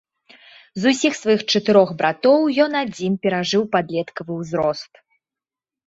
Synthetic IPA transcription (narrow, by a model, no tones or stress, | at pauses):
zusʲixsvajixt͡ʂɐt̪ɨɾɔxbɾat̪ɔwjɔnad͡zʲinpʲɛɾaʐɨwpad̪lʲɛt̪kɐvɨwzɾɔst̪